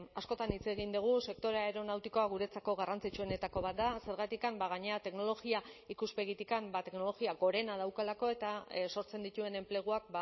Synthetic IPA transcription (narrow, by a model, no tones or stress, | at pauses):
asko̞t̪anit͡se̞ɣ̞ind̪uɣ̞use̞k̚t̪o̞ɾeaeɾo̞nawt̪iko̞aɣuɾe̞t͡sako̞ɣ̞arant͡sit͡ʃuo̞ne̞t̪ako̞β̞at̪̚d̪ase̞ɾɣ̞at̪ikambaɣ̞aɲe̞at̪e̞kno̞lo̞ɣiaikuspe̞ɣit̪ikambat̪e̞kno̞lo̞ɣiaɣo̞ɾe̞naðawkalako̞e̞t̪aso̞ɾt͡se̞nd̪it̪ue̞ne̞mple̞ɣ̞uak̚ba